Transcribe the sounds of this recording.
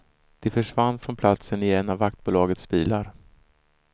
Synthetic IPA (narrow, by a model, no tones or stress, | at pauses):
d̪̥ɛfœʂvanːfɾɔnpʰlat̪sənɪɛnːavːak̚t̪̚buːlɑːɡət̪sbiːlaɾ